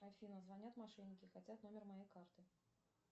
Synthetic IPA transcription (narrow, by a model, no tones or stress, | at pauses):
afʲinəzvanʲat̪maʂɛnʲːɪkʲɪxat͡sʲat̪nomʲɪrmajejkart̪ɨ